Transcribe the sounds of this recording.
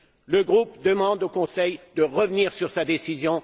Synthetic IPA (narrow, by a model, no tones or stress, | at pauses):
ləɡʁupd̪əmɑ̃d̪okɔ̃sɛjd̪əʁəvniʁsyʁsad̪esizjɔ̃